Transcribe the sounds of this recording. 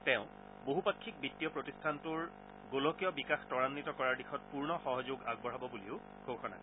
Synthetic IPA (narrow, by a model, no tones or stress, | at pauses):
teʊ̃ | boɦupakʰːik̚bitːiɔpɹotistʰantuɹ | ɡolɔkijɔbikaxtɔɹanːitɔkɔɹaɹdixʰɔtpuɹnɔxɔɦɔzoɡaɡ̚bɔɹabɔbuliʊ | ɡʱowxɔna̰